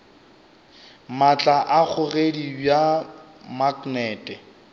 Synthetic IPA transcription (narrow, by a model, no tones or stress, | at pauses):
mat͡ɬʼaʔak͡xʰʊredibja | maknɛːtʼɛ